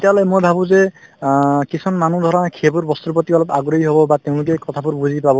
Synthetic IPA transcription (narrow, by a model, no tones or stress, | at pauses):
tet̪ijaɦɔlɛmojbʱabũzɛ | kisʰɔnmanud̪ʱɔɹakʰebʊɹbɔst̪upɔt̪iɔlɔpaɡɾɔɦiɦobɔbat̪eʊ̃lʊk̬ɛkɔt̪ʰabʊɹbuzipabɔ